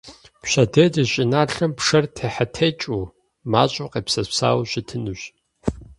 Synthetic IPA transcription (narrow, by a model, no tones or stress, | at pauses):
pɕɐdɐdɨɕʼɪnaːɬɐmpʂɐrtʰeːħatʰeːt͡ʃʼu | maːɕʼʊqeːpsɐpsa̰ːwɕɪtʰɨnuɕ